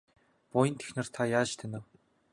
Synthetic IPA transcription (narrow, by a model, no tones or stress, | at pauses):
pʊjə̆nt̪ʰe̥xnɘ̆r̥t̪ʰajaːt͡ɕt̪ʰenɘ̆w